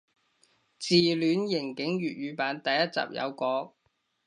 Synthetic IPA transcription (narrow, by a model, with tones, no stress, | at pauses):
t͡siː˨lyː˨˧njɪ˨˩ŋkɪ˨˥ŋɥyː˨t̚ɥyː˨˧paː˨˧nt̪ɐ˨˧jːɐ˥t̚t͡sa̰ː˨p̚jɐ̰˨˧wkɔː˨˥k̚